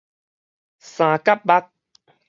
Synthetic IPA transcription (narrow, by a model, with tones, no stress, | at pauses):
sãː˨ka˦p̚ɓa˦k̚